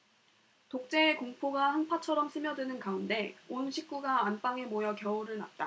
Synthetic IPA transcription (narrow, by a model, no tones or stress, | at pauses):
tok̚t͡ɕ͈e̞ːkoŋpʰoɡahanpʰat͡ɕʰʌɾʌmsʰɯmjʌdwenɯnkaunde̞onɕʰik̚k͈uɡaːnp͈aŋemojʌkjʌuɾɯɭna̰t̚t͈a